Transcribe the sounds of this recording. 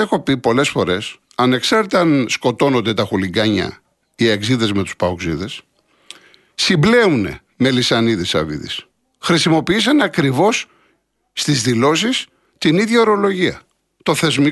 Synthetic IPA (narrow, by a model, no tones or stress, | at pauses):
exo̞pipo̞le̞sfo̞ɾe̞s | ɐne̞ksɐɾt̪ɐnsko̞t̪o̞no̞nd̪e̞t̪ɐxuliɡɐɲɐ̰ | ieɡziðe̞zme̞t̪u̥spɐokziðe̞s | simble̞une̞̰ | me̞lisɐniðisɐ̰vḭðḭs | xɾisimo̞piisɐnɐkɾivo̞sː | t̪izðilo̞sis | t̪iniðʝɐo̞ɾo̞lo̞ʝiɐ̰ | t̪o̞θe̞zmi